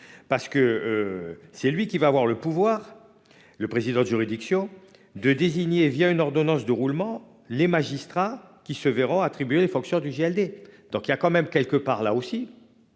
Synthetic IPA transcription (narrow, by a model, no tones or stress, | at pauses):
paʁsə̥kəøsɛlɥikʲivaːvwaʁləpuvwaːʁ | ləpχezid̪ɑ̃d̪əʒyʁid̪iksjɔ̃ | d̪əd̪eziɲevijaynɔʁd̪ɔnɑ̃sd̪əʁulmɑ̃ | lemaʒist̪χakʲisəveʁɔ̃aːt̪χibyelefɔ̃ksjɔ̃d̪yʒeɛld̪ed̪̥ɔ̃kiljakɑ̃mɛmkʲɛlkəpaʁlaosi